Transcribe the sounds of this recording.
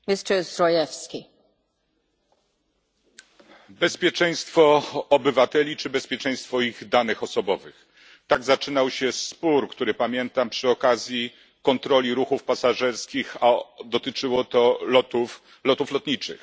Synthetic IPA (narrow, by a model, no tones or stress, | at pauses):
mistɛsɾɔjɛfskʲi | bɛspʲjɛt͡ʂɛ̃j̃st̪fɔːbɘvat̪ɛlʲit͡ʂɘbɛspʲjɛt͡ʂɛ̃j̃st̪fɔiɣd̪anɘxɔsɔbɔvɘx | t̪aɡzat͡ʂɘnawɕɛspuɾkt̪uɾɘpamʲjɛnt̪ampʂɘɔkazʲji | kɔnt̪ɾɔlʲiɾuxufpasaʐɛɾskʲixad̪ɔt̪ɘt͡ʂɘwɔt̪ɔɔt̪u | lɔt̪uflɔt̪ɲit͡ʂɘ̰x